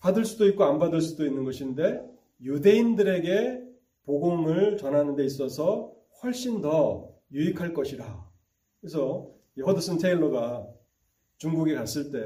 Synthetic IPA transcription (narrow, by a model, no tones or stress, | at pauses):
padɯɭs͈udoit̚k͈oanbadɯɭs͈udoinːɯnɡʌɕʰinde̞ | jude̞indɯɾe̞ɡe̞ | poɡoŋɯɭt͡ɕʌnɦanɯnde̞is͈ʌsʰʌ | ɸwʌɭɕ͈indʌ | juikʰaɭk͈ʌɕʰiɾa | kes̬ʰʌ | iɦʌdɯs͈ɯntʰeiɭːoɡa | t͡ɕuŋɡuɡikas͈ɯɭt͈e̞